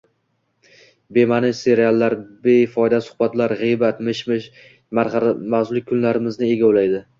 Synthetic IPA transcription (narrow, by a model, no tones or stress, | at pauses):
be̞manɪʃse̞ɾialˠːaɾbejfɒjd̪asʊ̥hbat̪laɾʁɨjbat̪mɪʃmɪʃ | maɾmazʊlɪk̚ʲʰːʊnlaɾɪmɪznɪe̞ɡʲaolajd̪ɪ